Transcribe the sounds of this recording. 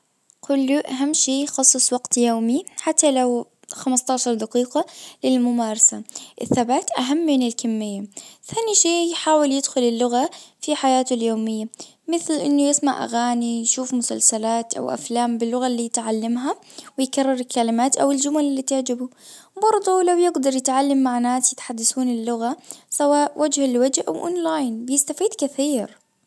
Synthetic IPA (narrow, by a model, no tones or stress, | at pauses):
kʊlːuʔaɦamːʃeːjxɑsˤːɨsˤwɑɡt̪joːmiħat̪ːalaw | xamɪst̪ˤɑːʕʃɑɾˤd̪aqiːqɑlɪlmʊmaːɾˤɑsaʔɪθːabaːt̪ʔaɦamːɪnɪlkɪmːɪjːaθaːniʃeːjħaːwɪljɪd̪xʊlɪlːʊɣafiħajaːt̪ʊljoːmɪjːa | mɪθlʔɪnːujɪsmaʕʔa̰ɣaːnijʃuːfmʊsa̰lsalaːt̪ʔa̰wʔa̰flaːmbɪlːʊɣalːiːjɪt̪ʕalːamɦawɪjkarˤːɪɾɪlkːalɪmaːt̪ʔawɪld͡ʒʊmalɪlːiːt̪ɪʕd͡ʒɪbubɑɾˤd̪ˤulawjɪɡd̪ɑɾˤjɪt̪ʕalːamːaʕnaːsjɪt̪ħad̪ːasuːnɪlːʊɣasawaːʔwʔad͡ʒhɪlwad͡ʒhʔa̰wʔo̰ːnlaːjnbɪjɪst̪afiːd̪kɪθiːɾ